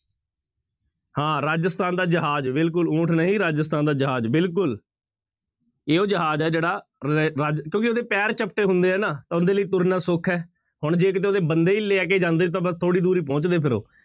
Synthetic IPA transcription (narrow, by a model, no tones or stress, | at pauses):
hãːɾaːd͡ʒst̪aːnd̪aːd͡ʒəɦaːd͡ʒbɪlkʊlũːʈʰnəɦĩːɾaːd͡ʒəst̪aːnd̪aːd͡ʒəɦaːd͡ʒbɪlk̬ʊl | eːoːd͡ʒəɦaːd͡ʒɛːd͡ʒeːɽaːaːd͡ʒkjõːkɪoːd̪eːpɛːɾt͡ʃəpʈeːɦʊnd̪eːɛːnaːt̪ãːʊnd̪eːləiːt̪ʊɾnãːsʊkʰɛː | ɦʊɳd͡ʒeːkɪt̪̬eːoːd̪eːbənd̪eːileːɛːk̬eːd͡ʒãːnd̪eːt̪ãːbəst̪ʰoːɽiːd̪uːɾiːpɔ̃ːt͡ʃd̪eːpʰɪɾo̰ː